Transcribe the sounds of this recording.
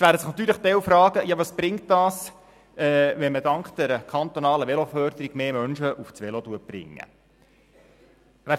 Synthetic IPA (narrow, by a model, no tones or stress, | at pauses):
sʋæːɾəsɪχnɑt̪yːɾləχt̪ɛwfɾɑːɡ̥əjɑʋɑsb̥ɾɪŋt̚d̥ɑːs | ɛːʋɛnməd̥ɑŋkχd̥ɛɾəkʰɑnt̪onɑːləʋɛlofœːɾd̪əɾiɡ̥meːmœnʃəʔuft͡sʋɛlot̪uətb̥rɪ̰ŋːə̰ | ʋæː